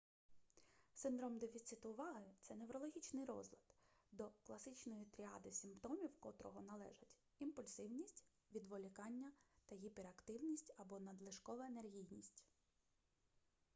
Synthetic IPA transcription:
sɪnd̪ɾɔmd̪efʲit̪sɪt̪ʊʋɑɦɪt̪sɛnewɾɔlˠɔɦʲit͡ʃnɪjɾɔ̰zlʲɐd̪̥d̪ɔklˠɐsɪt͡ʃnɔjit̪ɾʲiɑ̰d̪ɪsʲɪmpt̪ɔmʲiwkɔt̪ɾɔɦɔnɐlˠɛ̰ʒɐtʲ | impʊlʲsɪwnʲisʲtʲ | ʋʲid̪ʋɔlʲikɑnʲːɐt̪ɐɦʲipeɾɐkt̪ɪwnʲisʲtʲɐbɔnɐd̪lˠɪʃkɔʋɐenerɦʲijnʲisʲtʲ

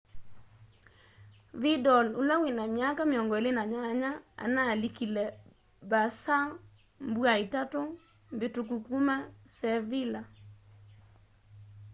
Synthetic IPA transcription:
ðidɔlulawɪnamjakamjɔŋɡɔelɪnaɲaɲaa̰nalikilɛ | basa | mbwaitato | mbɪtuk̬ukumasɛvɪla

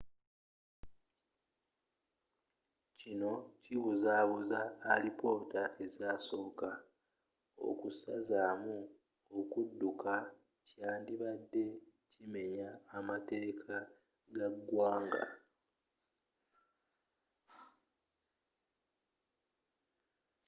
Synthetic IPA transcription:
cino̞ciβuzaːβuzaːlipo̞ːtaʔe̞zaːso̞ːka | o̞̰kusazaːmu | okudːukʰa | caːndiβadːe̞cime̞ɲaːmate̞ːkʰa | ɡaɡwaːŋɡa̰

